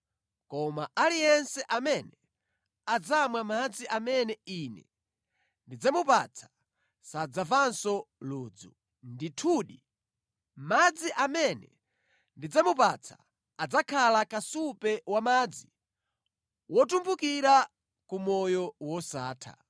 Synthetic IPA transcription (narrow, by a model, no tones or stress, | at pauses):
kɔmaalijɛnsɛʔamɛnɛ | ad͡zamwamad͡ziʔamɛnɛinɛ̰ | ndid͡zamupat͡sʰḁ | sad͡zavansɔluːd͡zu | nditʰuːɗi | mad͡ziʔamɛnɛ̰ | ndid͡zamupat͡sʰḁ | ad͡zakʰalakasupɛwamad͡zi | wɔtumbukiɾa | kumɔjɔwɔsaːtʰa̰